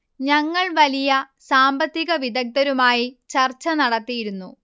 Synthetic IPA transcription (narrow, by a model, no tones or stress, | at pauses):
ɲɐŋːɐɭʋɐlijɐ | saːmbɐt̪ːiɣɐʋid̪ɐk̚t̪ɐɾumaːjit͡ɕɐrt͡ɕːɐnɐɽɐt̪ːijiɾunːu